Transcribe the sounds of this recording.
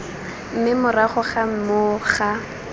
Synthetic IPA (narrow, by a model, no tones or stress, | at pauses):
m̩mɪmʊraχʊχam̩mʊχa